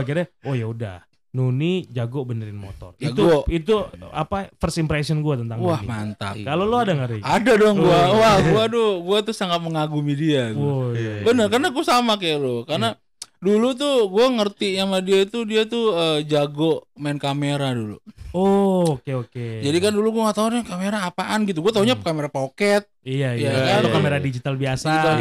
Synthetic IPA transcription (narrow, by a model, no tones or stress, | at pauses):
bakiɾaojauda̰h | nunid͡ʒaɡobənəɾɪnmo̰t̪ɔ̰riaɡ̪t̪uait̪ua̰pafərsimpɾesɔnɡuat̪ənt̪aŋahmant̪a̰kaloloadaŋəɾiadadɔŋɡuawaɡuadɔɡuat̪usaŋat̪̚məŋaɡumidia | bənərkarnaɡuasamakajaʔlokarna | dulut̪̬uɡuaŋərt̪ijamadiait̪udiat̪uəːd͡ʒaɡoʔmaɪnkameɾadulṵoːkeoked͡ʒadikanduluɡuaŋat̪aurɲakameɾaːpaʔanɡit̪̬uɡuat̪aɦuɲakameɾapokɛt̪̚ijajakakameɾadid͡ʒit̪albiasaia